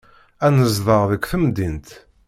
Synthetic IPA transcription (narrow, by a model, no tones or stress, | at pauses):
ænəzðˤəʁðəkʷːθəmd̪int̪